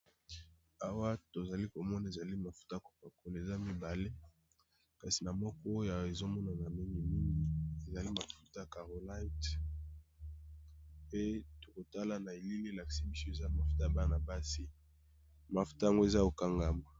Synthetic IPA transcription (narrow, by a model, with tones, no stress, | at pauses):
a˦wa˦to˨za˨li˦ko˨mɔ˦na˨e˨za˨li˦ma˨fu̥˦ta˦˨ko̥˨pa˨ko˨le˨za˦mi˦ba˨le˦ | ka˨si˨na˨mɔ˦kɔ˦o˦ja˨e˨zo˦mɔ˦na˨na˨i˦ŋi˦ni˦ŋi˨ie˨za˨li˦ma˨fu̥˦ta˦˨ka˨ʁo˨la˦t | pe˦to˨ko˨ta˦la˨na˨e˨li˦le˦la˨ki̥˨si˦mi˦se˨za˦ma˨fu̥˦ta˦˨ba˦na˨ba˦si˦ | ma˨fu̥˦ta˦a˦ŋɡo˦e˨za˦o˨ka˦ŋɡa˨ma˨